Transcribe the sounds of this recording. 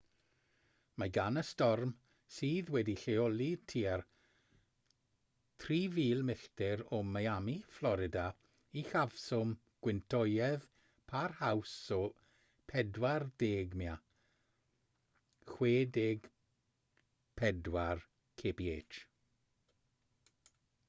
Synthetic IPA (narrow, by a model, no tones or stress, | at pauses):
maɡanəstɔrm | siːðwɛdiɬeɔlˠitʰiːar | tʰriːviːlˠmɪɬtɪɾɔmajamiflˠɔɾɪda | ixav̥sʊm | ɡ̥wɪntʰɔjɛð | pʰarhawsɔ | pʰɛdwardeːɡmia | xweːdeɡ̥ | pʰɛdwar | kʰepieːt͡ʃ